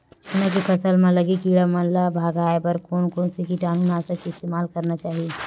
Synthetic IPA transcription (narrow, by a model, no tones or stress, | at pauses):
nakipʰɐsəlmãlɐɡikiːɽamɐnlabʱaːɡaːepɐɾkoːnkõːnsikiʈaːnuːnaːsəkiɪst̪eːmaːlkɐɾnat͡ʃaːɦie